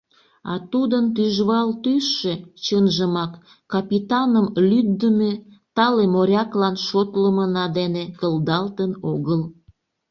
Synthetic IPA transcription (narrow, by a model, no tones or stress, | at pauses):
ɑt̪ud̪ənt̪̬yʒβɑlt̪yʃet͡ɕənʒəmɑkː | ɑpit̪ɑnəmlyd̪ːəmet̪ɑlemoɾʲɑklɑnʃot̪ləmənɑd̪enekəld̪ɑlt̪ənoɣəl